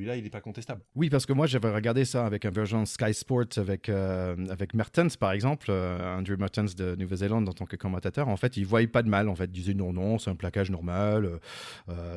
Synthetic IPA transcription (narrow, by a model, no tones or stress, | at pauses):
səilailɛpakɔ̃t̪ɛst̪ablwipaʁsə̥kəmwaʒavɛʁəɡaʁd̪esaːvɛkɛ̃vɛʁʒɑ̃skajspɔʁt̪ʰavɛkøavɛkmaʁt̪ɛnspaʁɛɡzɑ̃pløɑ̃d̪ʁumaʁt̪ɛnsd̪ənuvɛzelɑ̃d̪ɑ̃t̪ɑ̃kəkɔmɑ̃t̪at̪œʁɑ̃fɛt̪ilvwajɛpad̪əmalɑ̃fɛt̪̚d̪izɛnɔ̃nɔ̃sɛ̃plakaʒnɔʁmaløø